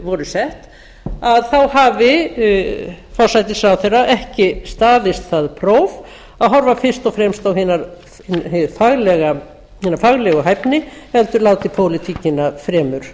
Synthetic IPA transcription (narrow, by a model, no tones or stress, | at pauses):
vɔɾʏsɛht̪ | aðθawhaːvɪ | fɔr̥sajt̪ɪsawθejɾaʔɛhcɪst̪aːðɪst̪θaðpʰɾowv | aðɦɔɾvafɪr̥st̪ɔfɾɛmst̪awhɪːnaɾ | faɣlɛɣa | hiːnaɾfaɣlɛɣɔɦajpnɪɛlt̪ʏɾlaːwt̪ɪpʰoːwlɪt̪ʰiːcɪnafɾɛːmʏɾ̥